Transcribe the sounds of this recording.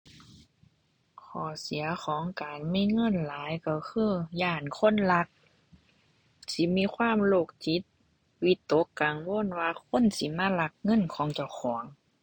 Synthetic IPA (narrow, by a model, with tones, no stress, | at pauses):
kʰɔː˧˩si˨˦ɐxʰɔː˨˦ŋkaː˨nmiː˧˥˨ŋɤ˧˥˨nlaː˨˦jka˧˩kʰɯː˧˥˨jaː˧˩˨nkʰo˧˥˨nla˧˥k̚ | si˧˦miː˧˥˨kʰwaː˧˥˨mloː˧˩k̚t͡ɕi˧˦t̪̚ | wi˧˥t̪ːo˧˦˥kːa˨˩ŋwoː˧˥˨nwaː˧kʰo˧˥˨nsi˧˦maː˧˥˨la˧k̚ŋɤ˧˥˨nkʰɔː˨˦ŋt͡ɕa˧˩wxʰɔː˩˦ŋ